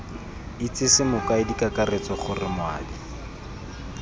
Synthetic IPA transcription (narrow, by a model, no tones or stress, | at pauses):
ɪt͡sɪsɪmʊkaɪdikakaret͡sɔχʊrɪmwa̰ːdi